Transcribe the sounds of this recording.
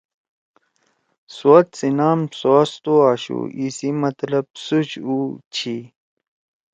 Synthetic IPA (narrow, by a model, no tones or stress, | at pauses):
sat̪sinaːmsoːst̪oaːɕṵʔisimɐt̪ləb̚sut͡ɕut͡ɕʰi